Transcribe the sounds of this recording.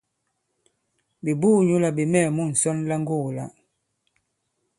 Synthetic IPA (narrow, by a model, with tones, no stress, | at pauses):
bi˨bu˦ɲu˦la˨bi˨mɛ˦˨mu˦˨n̩˨sɔ˦nla˦ŋ˦ɡo˦˨la̰˨